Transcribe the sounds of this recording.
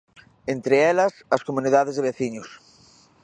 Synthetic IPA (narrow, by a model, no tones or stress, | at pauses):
ent̪ɾeelɐsɐskomũniðað̞ezðeβeθiɲos